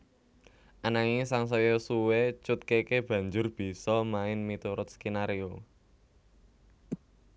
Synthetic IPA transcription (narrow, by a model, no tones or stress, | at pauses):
ʔanaŋisaŋs̬ɔjosuwet͡ʃʊt̪̚kekeb̥ä̤ɲd͡ʒʊrb̥i̤sɔmaɪnmit̪uɾʊt̪̚skinaɾio